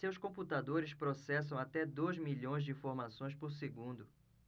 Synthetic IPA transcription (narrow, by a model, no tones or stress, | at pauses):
sewskõput̪ad̪oɾɪspɾosɛs̬ɐ̃w̃at̪ɛd̪ojzmiʎõj̃zd͡ʒɪĩfoɾmasõj̃spoɾseɡũnd̪ʊ